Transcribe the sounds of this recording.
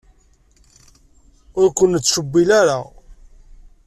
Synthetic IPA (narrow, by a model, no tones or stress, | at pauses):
ʊɾkʷənːət͡sːʃəbːilaɾa